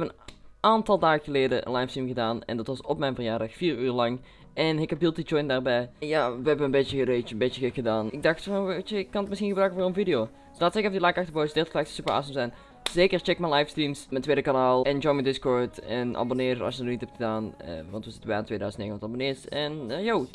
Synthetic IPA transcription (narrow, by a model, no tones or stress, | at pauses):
ɛpənʔaːntɑlˠdaːɣəɣəleːdəʔə̰nlɑjfstr̥imɣədaːnɛ̰ndɑtʋɑsɔpmɛjnvəɹjaːɹdɑxfiːryːɹlɑŋ | ʔɛnɪkɛp̚bɪlˠtid͡ʒɔjndaːɹbɛjjaʋəɦɛbəənbetjəəreəbetjəɣəkxədaːnɪɡ̚dɑxtfoʋet͡ʃəɪkːɑnətmɪsxinɣəbrœɥkəvʊːɹənvidɪjoː | slaːtsɪkɛfdilajkɑxtəbowzədɪtəklɛktə̥sypəɹa̰ːsəmzɛn | z̥eːkəɹt͡ʃɛkmɛnlɑjfstrimsməntʋeːdəkanaːlˠɛnd͡ʒɔjmədɪskɔɹtɛnʔa̰bonɪːrtɑ̰sjədnithɛptxədaːnə̰ʋɑntʋəzɪtəbɛantʋeːdœɥzəntneːɣənɔtɑbonɪːɹsɛnjow